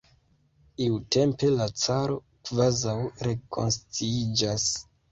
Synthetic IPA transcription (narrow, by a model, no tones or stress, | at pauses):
iute̞mpe̞lat͡saɾo̞ | kvazawɾe̞kʰo̞̰nst͡siid͡ʒas